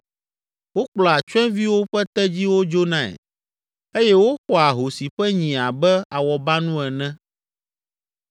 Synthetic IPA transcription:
wo˦k͡plɔ˨a˨t͡ʃɛ̃˦vi˦wo˦ɸɛ˦t̪ɛ˦d͡ʑi˦wo˦d͡ʒo˦nã˦˨ɛ̰˨ | e˦jɛ˦wo˦xɔ˦˨a˨ɦo˨si˨ɸɛ˦ɲĩ˨a˨bɛ˦a˨wɔ˨ba˦nũ˦ɛ˨nɛ̃˦

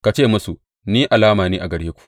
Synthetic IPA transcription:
ka˨t͡ʃeː˦˨mɐ˦su˨ | niː˦ʔa˨laː˦maː˨niː˦ʔa˨ɡɐ˨ɽeː˦kʷu̥˨ʔ

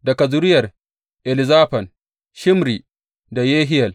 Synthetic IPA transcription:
dɐ˨kɐ˨zʊ˦ɾɪ˦jɐ˨r | ʔɛ˨lɪ˨zaː˦ɸɐ˨n | ʃɪ˦mɾi˨ | da˨jeː˦ɦɪ˦jɐ˨l

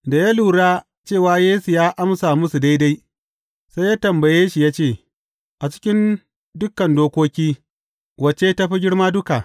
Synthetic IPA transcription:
da˨jaː˦luː˨ɽaː˦ | t͡ʃeː˦˨waː˦jeː˦su˨jaː˦ʔa˦msa˨mʊ˦su˨da˦jda˦j | sa˦jaː˦tɐ˨mbɐ˨jeː˦ʃi˨jaː˦t͡ʃeː˦˨ | ʔa˨t͡ʃɪ̥˦kʲɪ˦n | dʊ˦kːɐ˨ndoː˦kʷoː˦kʲiː˦ | wɐ˨t͡ʃe˦ta˦ɸi˦ɡʲɪ˦ɽmaː˦dʊ˦ka˨

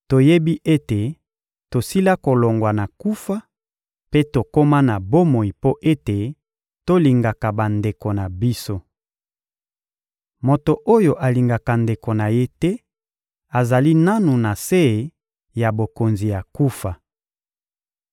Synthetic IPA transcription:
to˨je˦bi˦ʔe˦te˨ | to˨si˦la˦ko˨lo˨ŋɡwa˨na˨ku˦fa˦ | pe˦to˨ko˦ma˦na˨bo˦mo˨i˨po˦ʔe˦te˨ | to˦li˨ŋɡa˨ka˨ba˨nde˨ko˨na˨bi˦so˦ | mo˨to˨ʔo˦jo˨ʔa˨li˨ŋɡa˨ka˨nde˨ko˨na˨je˦tɛ˦ | a˨za˨li˦na˦nu˨na˨se˦e˨ | ja˨bo˨ko˨nzi˨ja˨ku˦fa˨

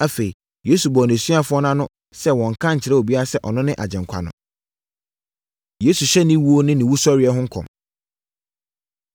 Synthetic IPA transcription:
a˦fe˨i˨ | je˦su˨bɔ˨ñ˨su˦a˦fʊ˦ɔ˦nã˦nʊ̃˦ | sɛ˦wɔ̃˨ŋ̩˨kʰã˦ɲ̩˨t͡ɕʰɪ˨ɾɛ˦o˨bi˦a˦ɾa˦sɛ˦ʔɔ˨nʊ̃˦nɪ̃˦ʔa̰˨d͡ʑɛ̃˨ŋkʷʰa̰˨nʊ̰̃˨ | je˦su˨ɕɛ˦nɪ̃˦wu˦o˦nɪ̃˦nɪ̃˨wu˦sɔ˦ɾɪ˨ɛ˦ɦʊ̃˦ŋ̩˦kʰɔ̰̃˨m

